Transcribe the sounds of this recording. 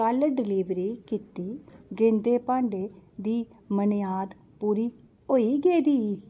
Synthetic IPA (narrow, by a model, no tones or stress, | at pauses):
kəlɖɪliːʋɾiːkit̪iːɡẽnd̪eːpãːɳɖeːd̪iː | mənjaːd̪ | puːɾiː | oːiːɡeːd̪iː